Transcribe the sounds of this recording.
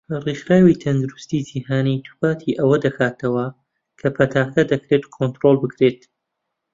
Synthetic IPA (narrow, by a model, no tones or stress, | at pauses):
rixɾaːwit̪ʰɐnd̪uɾust̪id͡ʒiːhaːnit̪ʰu̥paːt̪ʰiʔɐwɐd̪ɐkʰaːt̪ɐwɐ | kʰɐpʰɐt̪ʰaːxd̪ɐd̪ɐkɾeːt̪kʰont̪ɾolˠbɨkɾeːt̪